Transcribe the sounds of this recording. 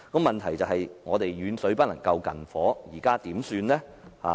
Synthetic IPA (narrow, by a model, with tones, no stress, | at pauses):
kɔ˨˧˥mɐ˨nt̪ʰɐ˨˩jt͡sɐ˨˧wɦɐ˨jŋɔː˨˧t̪e˨jɥyː˨˧nsɵ˨˥ɥpɐ˥t̚lɐ˨˩ŋkɐ˧wkɐ̰˨˩nfɔː˨˥jiː˨˩kaː˥t̪iː˨˥msyː˧nlɛː˥ha̰ː˨˧